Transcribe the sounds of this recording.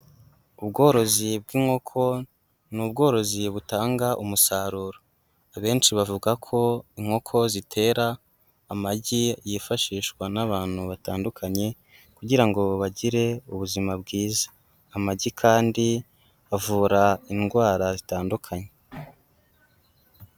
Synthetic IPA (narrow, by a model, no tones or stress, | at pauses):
ubɡo̞ːɾo̞zibɡiːŋ̥ho̞kʰo̞ | nuːb̚ɡo̞ːɾo̞ziβutaːŋɡaʔumusaːɾuːɾo | aβe̞ːnʃiβavuɡakʰo̞iŋ̥ho̞kʰo̞zitʰe̞ːɾaː | maɟijefaʃiːʃkwanaβaːn̥huβataːndukʰaɲe̞ | kuɟiɾaŋɡo̞βaɟiɾe̞uβuzimabɡiːzḁː | maɟikʰaːndi | avuːɾainɡwaːɾazitaːndukʰaɲe̞